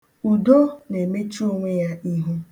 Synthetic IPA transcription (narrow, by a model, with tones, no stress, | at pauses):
u˨do˦ne˨me˦t͡ʃi˦o˦ŋʷe˦ja˦i˦ɦu˦